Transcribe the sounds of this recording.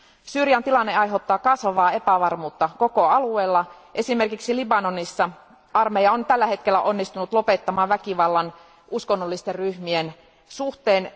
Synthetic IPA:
syːrjɑnt̪ilɑnːeɑjɦeot̪ːɑːkɑsʋɑʋɑːe̞pæʋɑrmuːt̪ːɑko̞koɑlueːlːɑ | ʔe̞sime̞rkiksilibɑnonisːɑ | ɑrmejɑont̪ælːæhe̞t̪k̟elːˑæʔo̞nːist̪unut̪lo̞pet̪ːɑmɑːʋækiʋɑlːɑn | uskonːolːist̪erryhmien | suht̪eːn

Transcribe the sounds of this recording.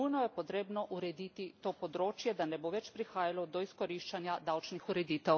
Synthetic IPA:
ujnɔjɛpot̪ɾeːbnɔʔuɾɛd̪it̪it̪oːpod̪ɾoːt͡ʃjɛd̪anɛboʋɛt͡ʃpɾixaːjalɔd̪ɔiskoɾiːʃt͡ʃanjad̪awt͡ʃnixuɾɛd̪iːt̪ɛw

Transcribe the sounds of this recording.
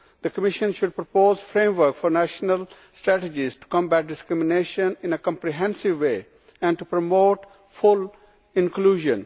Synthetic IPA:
d̪̥əkəmɪʃə̃nʃʊɖ̚pɾopoːzfɾẽːmʋəɾkfɔɾnæʃnəl | sʈɾæʈed͡ʒizʈu̥kɔ̃mbæʈ̚ɖɪskɾɪmɪneːʃə̃nɪ̃nekɔ̃mpɾiɦɛ̃nsɪʋːeː | ɛ̃ɳɖʈupɾomoːʈ | fʊl | ɪ̃nkluːʒə̃n

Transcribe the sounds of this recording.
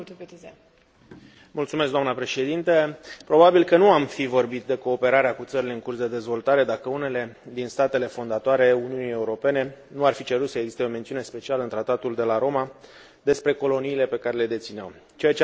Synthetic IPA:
mult̪sumeskd̪amnəpɾe̞ʃe̞d̪int̪əpɾo̞babilkənuamfivo̞rbit̪̚d̪e̞ko̞ːpe̞ɾaɾeakut̪səɾile̞ɨŋkursd̪e̞d̪e̞zvo̞lt̪aɾe̞d̪akəune̞le̞d̪inst̪at̪e̞le̞fo̞nd̪at̪oaɾe̞uniunie̞uɾo̞pe̞ne̞nuarfit͡ʃe̞ɾut̪səeɡzist̪e̞o̞me̞nt̪siunespe̞t͡ʃialəɨnt̪ɾat̪at̪uld̪e̞laɾo̞ma | d̪e̞spɾe̞ko̞lo̞niːle̞pe̞kaɾe̞le̞d̪e̞t̪sinamt͡ʃe̞jat͡ʃe

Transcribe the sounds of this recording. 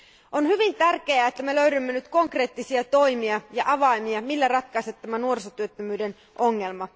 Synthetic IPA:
ʔo̞nhyʋint̪ærk̟e̞æet̪ːæme̞løɥdymːenyt̪ko̞ŋkre̞ːt̪ːisiɑt̪o̞jmiɑjɑʔɑʋɑimiɑmilːærɑt̪̚kɑset̪t̪æmænuo̞rsot̪yøt̪ːømyːden | ʔo̞ŋːe̞lmɑ

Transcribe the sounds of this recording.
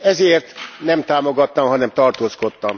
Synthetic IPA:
ɛzeːrt̪nɛmt̪aːmo̞ɡɒt̪ːɒmɦɒnɛmt̪ɒrt̪oːsko̞t̪ːɒm

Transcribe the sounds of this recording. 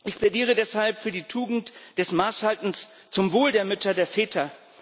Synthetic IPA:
ʔɪçpʰl̥ɛdiːʁ̞ədɛshalpfyːɐdiːtʰuːɡŋ̩td̥ɛsmaːshaltn̩s | t͡sʊmvoːldeːɐmʏtʰɐdeːɐfɛːtʰɐ

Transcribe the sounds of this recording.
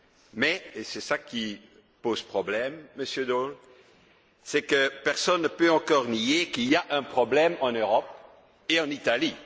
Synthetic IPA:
mɛesɛsaki | pozpχɔblɛmːəsjød̪ol | sɛkəpɛʁsɔnːəpøɑ̃kɔʁnijekiliaʔɛ̃pχɔblɛmɑ̃nøʁɔp̚ | eɑ̃nit̪ali

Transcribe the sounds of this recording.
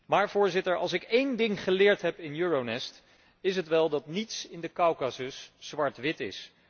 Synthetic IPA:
maːɹv̥ʊːɹzɪtəɹɑ̰lˠsɪkejndɪŋχəlɪːɹtɦɛpɪnjøːɹownɛst | ɪs̬ɦətʋɛlˠdɑtnitsɪndəkɑwkasəsːʋɑɹtʋɪtɪ̰s

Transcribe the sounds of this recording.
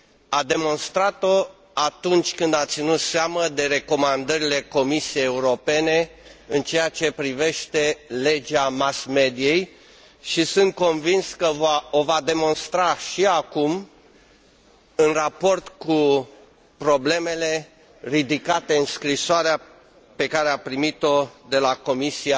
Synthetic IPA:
ad̪e̞mo̞nst̪ɾat̪o | at̪unt͡ʃʲkɨnd̪at̪sinut̪seaməd̪e̞ɾe̞ko̞mand̪əɾile̞ko̞misije̞jeuɾo̞pe̞ne̞ɨnt͡ʃe̞jat͡ʃe̞pɾive̞ʃt̪e̞le̞d͡ʒamasme̞d̪ije̞j | ʃisɨnt̪̚ko̞nvinskəovad̪e̞mo̞nst̪ɾaʃiakum | ɨnrapo̞rt̪ku | pɾo̞ble̞me̞le̞ | rid̪ikat̪e̞ɨnskɾisoaɾea | pe̞kaɾeapɾimit̪o̞d̪e̞lako̞misia

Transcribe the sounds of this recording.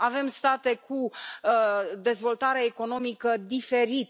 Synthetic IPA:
ave̞mst̪at̪e̞kʰu | d̪e̞zvo̞lt̪aɾeeko̞no̞mikəd̪ife̞ɾit̪

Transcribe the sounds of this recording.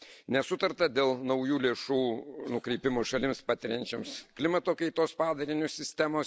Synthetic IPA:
nʲɛsʊt̪ɐɾt̪ɐd̪ʲeːlˠnɐʊjuːlʲeːʃuːnʊkɾʲɛɪpʲɪmoːʃɐlʲɪmspɑːt̪ʲɪɾʲɛnʲt͡ʃʲɛmsklʲɪmɐt̪oːkɐɪt̪oːspɑːd̪ɐɾʲɪnʲʊssʲɪsʲt̪ʲæmoː

